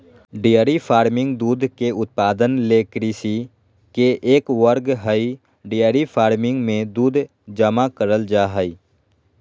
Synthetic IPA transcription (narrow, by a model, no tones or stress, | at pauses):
ɖijəɾipʰaːɾmɪ̃ŋɡd̪uːd̪ʱkeʊt̪̚paːd̪ənleːkɾisi | keʔeːkʋəɾɡɦəi | ɖijəɾipʰaːɾmɪ̃ŋɡmẽd̪uːd̪ʱ | d͡ʒəmakəɾəld͡ʒaːɦəi